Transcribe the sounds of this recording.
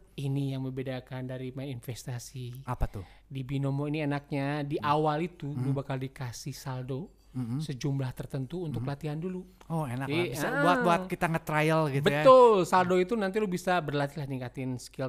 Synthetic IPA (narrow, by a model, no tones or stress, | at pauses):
inijaŋməmbedakandaɾimainfɛst̪asiapat̪ʊdibinomoinienak̚ɲadiʔawalit̪ulubakaldikasɪhsaldo | səd͡ʒumblaht̪ərt̪ənt̪uːnt̪ʊklat̪iɦandulu | ɔenakibabuat̪̚buat̪kit̪aŋət̪ɾajəlɡitbəjtaʊlsaldoit̪unant̪̬ilʊhbisabərlat̪ilahnikat̪ɪnskil